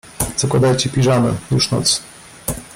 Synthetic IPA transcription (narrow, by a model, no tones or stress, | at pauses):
z̥ɔkwad̪ajt͡ɕɛpʲiʐanɛ̰juʂnɔ̰t̪s